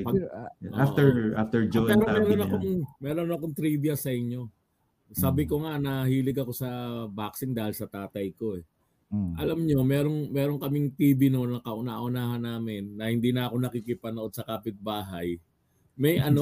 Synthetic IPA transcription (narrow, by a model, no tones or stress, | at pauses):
pɐʔo̰afɛɹʔaft̪ɛɹd͡ʒopɛːɾomɛːɾonɐkoŋmɛːɾonɐkoŋt̪ɾiːbjɐsɐʔɪɲːo̞ | saːbɪko̞ŋanɐɦiːlɪɡɐko̞sɐbaksɪŋd̪aːhɪlsɐt̪aːt̪ɐjko̞ɛ | ʔɐ̰lɐmɲo̞mɛːɾo̞ŋmɛːɾo̞ŋkɐmɪŋt̪iːbɪno̞nɐkɐʔʊna̰ʔʊnaːɦɐnːaːmɪnːɐhɪnd̪iːnɐʔɐko̞nɐkikɪpɐnoʔo̞d̪sɐkaːpɪt̪̚baːɦɐj | mɐjʔɐno